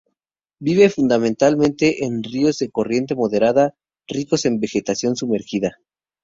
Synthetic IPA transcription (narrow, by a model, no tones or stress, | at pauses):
biβe̞fund̪amẽnt̪almẽ̞nt̪e̞ʔenrio̞zðe̞ko̞rje̞nt̪̬e̞mo̞ðe̞ɾaða | riko̞se̞mbe̞xe̞t̪asjo̞nsume̞ɾxiða